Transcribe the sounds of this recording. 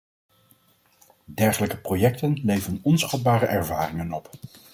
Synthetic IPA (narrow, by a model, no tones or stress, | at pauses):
dɛɹχələkəprojɛk̚tənlejvənɔnsχɑd̚baːɾəʔɛɹvaːrɪŋənɔp